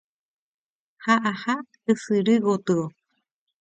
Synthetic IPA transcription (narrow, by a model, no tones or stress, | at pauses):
haʔaha | ɨsɨɾɨɣot̪ɨo